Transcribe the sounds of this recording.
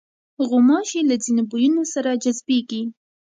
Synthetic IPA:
ɣʊmɑʃilad͡zinobujunosaɾad͡ʒazbeɡi

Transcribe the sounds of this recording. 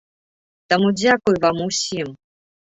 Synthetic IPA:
t̪amud͡zʲakujvamʊsʲim

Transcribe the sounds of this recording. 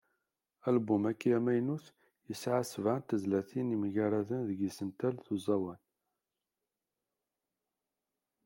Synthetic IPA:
ælbumækːjæmæjnuθ | jəsʕasəvʕant̪əzlæθinimʝaɾaðənðəɡisənt̪ælθuzˤɑwæn

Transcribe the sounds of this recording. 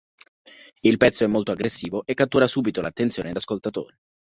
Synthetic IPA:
ilpɛt̪sːoɛmːolt̪oaɡɾesːiːvoʔekːat̪ːuːɾasuːbit̪olat̪ːent̪sjoːned̪askolt̪at̪o̰ːɾe

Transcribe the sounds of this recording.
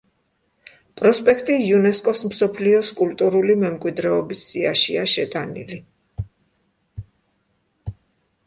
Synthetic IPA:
pʼɾɔspʼɛkʰt̪ʼiunɛskʼɔsmsɔpʰliɔskʼult̪ʼuɾulimɛmkʼwid̪ɾɛɔbisːiaʃiaʃɛt̪ʼanḭli

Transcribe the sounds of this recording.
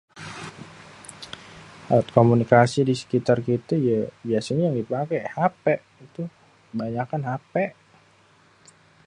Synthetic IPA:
a̰ʊt̪̚komunikasidisə̥kit̪arkit̪ajəiasinijaŋdipakɛhapɛʔit̪u | baɲakanɦapɛʔ

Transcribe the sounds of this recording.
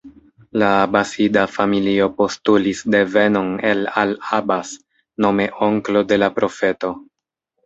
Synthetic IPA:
laːbasidafamilio̞po̞stulisde̞ve̞no̞ne̞lalabas | no̞me̞ʔo̞ŋklo̞de̞lapɾo̞fe̞to̞

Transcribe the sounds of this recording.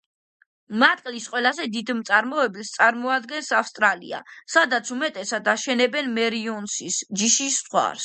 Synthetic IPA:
mat̪ʼqʼlisqʼwɛlazɛd̪id̪mt̪sʼaɾmɔɛbist̪sʼaɾmɔad̪ɡɛnsafst̪ʼɾalḭa̰sad̪at̪sʰumɛt̪ʼɛsad̪aʃɛnɛbɛnmɛɾiɔnsisd͡ʒiʃiswa̰ɾs

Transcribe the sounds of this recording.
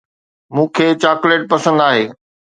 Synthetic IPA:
mũːkʰeːt͡ɕaːkʊleːʈ̚pɐsə̃nd̪aːɦeː

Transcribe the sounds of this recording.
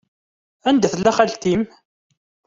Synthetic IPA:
ænd̪æθəlːæχælt̪im

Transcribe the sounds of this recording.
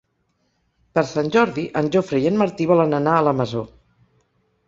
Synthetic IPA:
pəɾsanʲʒɔɾðiʔənʲʒofɾəjenməɾt̪iβɔlənənaələməzo

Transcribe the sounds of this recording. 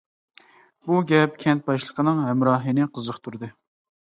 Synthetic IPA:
buɡʲɛp̚kʲʰɛnt̪̚bɑjʃlˠəqʰənɨŋɦɛmɾɑːɦinɨqʰəzəqt̪ʰuɾd̪ɨ

